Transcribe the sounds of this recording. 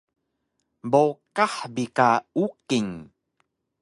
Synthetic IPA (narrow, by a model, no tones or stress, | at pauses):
bokaħbikaukiŋ